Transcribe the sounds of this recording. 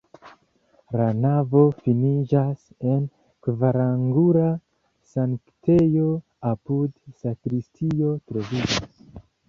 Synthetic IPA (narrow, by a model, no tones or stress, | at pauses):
lanavo̞finid͡ʒas | e̞n | kvaɾaŋɡuɾa | saŋkte̞jo̞ | apudsakɾistʰio̞tɾo̞vid͡ʒas